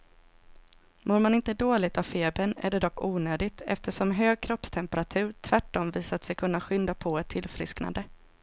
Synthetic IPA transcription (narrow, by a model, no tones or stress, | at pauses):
moːɾmanɪnt̪əd̪oːlɪɡt̪avfeːbənæ̰ɖɛd̪ɔkːuːnøːd̪ɪɡt̪ʰɛ̰ft̪əʂɔmɦøːɡ̚kʰɾɔpst̪ʰɛmpəɾat̪ʰʉ̟ːɾt̪ʰvæʈːɔmviːsat̪sɛjkʰɵnːaɧʏnd̪apʰɔɛt̪ʰːɪlfɾɪ̰skna̰nd̪ə